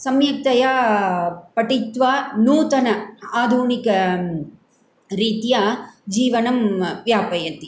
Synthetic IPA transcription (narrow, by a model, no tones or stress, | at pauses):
sɐmjɐk̚t̪ɐja | pɐʈit̪ʋaːnuːt̪ɐnɐaːd̪ʱunikɐ | ɾiːt̪jaːd͡ʒiːʋɐnɐmʋjaːpɐjɐt̪i